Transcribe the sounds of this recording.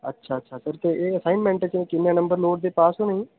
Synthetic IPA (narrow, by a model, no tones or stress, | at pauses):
ə̰tːʃʰaːətːʃʰaːsəɾt̪eːʔeːəsaːinmɛ̃ːɳʈẽt͡ʃẽkɪnːãːnəmbəɾnoːʈ̚d̪eːpaːsõːnəĩː